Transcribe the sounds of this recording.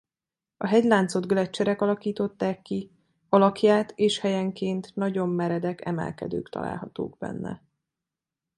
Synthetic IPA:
ɒɦɛɟlaːnt̪so̞d̪ɡlɛt͡ʃːɛɾɛkɒlɒkiːt̪o̞t̪ːaːkːi | ɒlɒkjaːt̪eːʃhɛjɛŋkeːnt̪nɒɟo̞mːɛɾɛd̪ɛkɛ̰mɛ̰lkɛ̰d̪ø̰ːkt̪ɒ̰la̰ːlɦɒt̪o̰ːɡbɛ̰nːɛ̰

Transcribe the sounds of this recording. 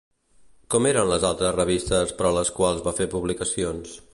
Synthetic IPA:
kɔmeɾənləzalˠt̪ɾəzrəβ̞ist̪əspəɾɔləskwalˠzβafepuβlikəsions

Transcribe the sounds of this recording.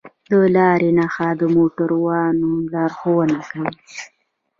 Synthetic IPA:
d̪əlɑɾenaxad̪əmoʈaɾwɑnolɑɾxowənakawi

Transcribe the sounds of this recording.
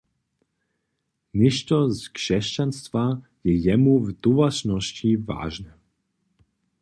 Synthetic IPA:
ɲɛʃtɔzkʂɛʃcanst̪va | jɛjɛmuvd̪uvat͡ʃnɔsciva̰ːʒnɛ

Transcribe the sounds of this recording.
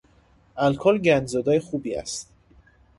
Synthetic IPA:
ʔælkʰolɟænd͡ʒzɒd̪ɒːjexuːbiːæ̰st̪

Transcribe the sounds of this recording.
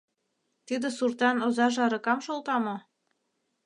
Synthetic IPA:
t̪yd̪ə̆surt̪ɑnozɑʒɑɾɤ̆kɑmʃolt̪ɑmo

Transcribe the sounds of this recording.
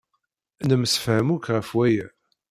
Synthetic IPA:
nəmsə̥fhəmukʁəfwæjæ

